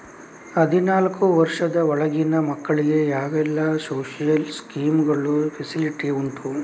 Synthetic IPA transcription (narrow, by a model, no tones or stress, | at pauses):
ɦɐd̪ʱinaːlkuʋɐɾʂɐd̪ɐɔɭɐɡinɐmɐkːɐɭiɡe̞jaːɡɛlːɐsoːʂijɐlskiːmɡɐɭupʰesiliʈiuɳʈ̪u